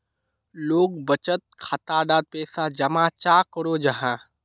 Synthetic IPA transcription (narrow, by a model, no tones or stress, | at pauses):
loːɡbət͡ʃət̪̚kʰat̪aːɖaːd̪̚pɛːsad͡ʒɐmãːt͡ʃaːkəɽoːd͡ʒɐɦãː